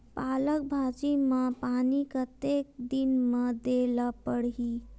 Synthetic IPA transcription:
paːlək̚bʱad͡ʒiməpaːnikət̪ek̚d̪inməd̪elapəɽɦi

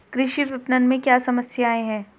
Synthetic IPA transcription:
kɾɪʃiʋɪpnənmẽkjaːsɐməsjaːeɦɛ̃ː

